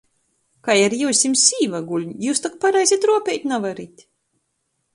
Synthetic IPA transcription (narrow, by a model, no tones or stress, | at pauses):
kajaɾjuːsʲimsʲiːvaɡulʲɲjuːst̪akpaɾajzʲit̪ɾuɔpʲɛjt̪ʲnavaɾit̪ʲ